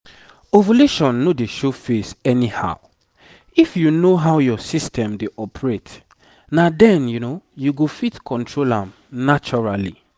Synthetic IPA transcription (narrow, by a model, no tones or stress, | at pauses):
ovaleʃɔ̃nːodeʃofesɛniha̰ʊ | ifjunoɦawjɔsistʰɛ̃mdeʔɔpʰɹet | nadɛ̃njunojuɡofitkʰɔ̃ntʰɹolãm | nat͡ʃɔɹalḭ